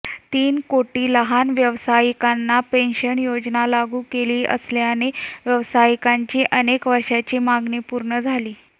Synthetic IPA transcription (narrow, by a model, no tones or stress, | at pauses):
t̪iːnkoʈiːləɦanʋjəʋsajikanːapenɕənjod͡ʑnalaɡuːkeliːʔə̰sljaneʋjəʋsajkaɲt͡ɕiːʔənekʋəɾʂat͡ɕiːmaɡniːpuɾɳəd͡zʱaliː